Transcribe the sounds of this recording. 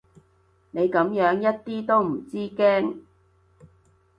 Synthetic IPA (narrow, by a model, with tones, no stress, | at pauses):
ne˨˧jkɐ˨˥mjœː˨˥ŋjɐ˥t̚t̪iː˥t̪o˥wm̩˨˩t͡siː˥kɛː˥ŋ